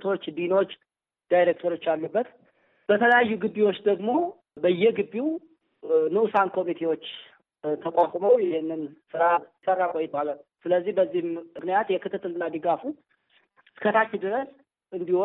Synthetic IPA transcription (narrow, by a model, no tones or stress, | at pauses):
t̪ʰo̞t͡ʃːd̪ino̞t͡ʃː | d̪̥ajɾek̚t̪ʰoɾo̞t͡ʃːalːubːət̪ | b̥ət̪ʰələjajːuɡɨbːiwo̞t͡ʃːd̪əɡmo̞ | bəjːɛɡɨbːiw | nɨʔsankʰo̞mit̪ʰe̞wo̞t͡ʃː | t̪ʰəkʼakʷʼməwjɛhɪnːɨnsɨɾasərːakʼojɛt̪̚baləsɨləzːihbəzːihɨknijat̪jɛkʰɨt̪ʰɨt̪ːɨlɨnːad̪ɨɡafu | skʰət̪ʰat͡ʃːɪd̪ɨɾəs | ɨnd̪iho